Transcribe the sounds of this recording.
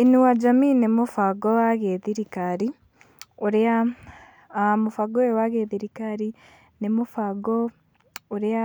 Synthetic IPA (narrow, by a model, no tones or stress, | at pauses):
inuwad͡ʒaminemofaɡoaɣeðiɾikaɾi | oɾea | mofaɡoewaɣeðiɾikaɾi | nemofaɡo | oɾea